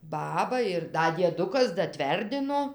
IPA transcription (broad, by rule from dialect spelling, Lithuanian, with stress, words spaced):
ˈbɑːbɐ ɪr ˈdɐ dʲiɛˈdʊkɐs dɐˈtʲʋʲɛrʲdʲɪnoː